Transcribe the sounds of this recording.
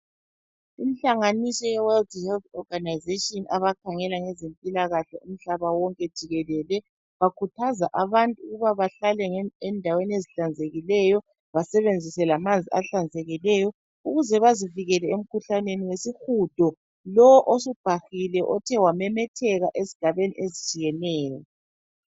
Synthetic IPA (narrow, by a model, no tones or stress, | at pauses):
imiɬaŋanisɔjɛwɛldhɛltɔɡ̥anajzetʼiɔnaβakʰaŋɛlaŋɛzempʼilaɣaɬɔʔum̩ɬaβawɔŋkʼɛd̥ʒ̥ʱiɣɛlɛlɛ | βakʰutʰazaʔaβantʼuɣuβaβaɬalɛŋɛɛndʱaweneziɬand͡zʱeɣilɛjɔ | βasɛβend͡zʱisɛlamand͡zʱiaɬand͡zʱɛɣilɛjɔ | uɣuzɛβaziviɣɛlɛem̩kʰuɬaneniwesixud̥ʱɔ | lɔwɔʔosub̥ʱaxilɛʔɔtʰɛwamɛmɛtʰɛɣaʔezi̥ɡ̥ʱaβenḭʔezit͡ʃʼijɛnɛːjɔ